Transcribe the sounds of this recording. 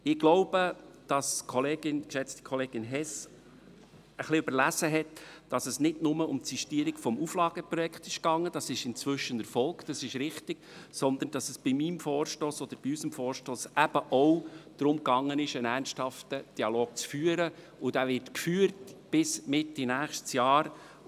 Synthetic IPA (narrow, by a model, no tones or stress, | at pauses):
ɪɡ̥loʊb̥əd̥ɑskʰɔleːɡɪnkʃɛt͡sti̥kʰɔleːɡɪnɦɛs | əχliʉbəɾlæsəɦɛtd̥ɑsəsnɪdnʊməʊmtsiʃtiəɾikfɔmuflɑːɡ̥əpɾɔjɛkχt̪ɪʃkɑŋːəd̥ɑsɪʃɪnt͡sʋʏʃənəɾfɔlˠkd̥ɑsɪʃɾɪχtɪɡ̥sɔnd̪ənd̥ɑsəsb̥ɪmimfɔːɾʃtoːsɔd̥̪əɾb̥iysəmfɔːɾʃtoːsʔæb̥əʔɔwd̪̥ɾʊmkɑŋːənɪʃənæɾnsthɑftəd̥iɑloːk̚t͡sfyːəɾə | ʊd̥ævɪɾtkfyːəɾtb̥ɪsmɪtːinæːχʃtsjɑːɾ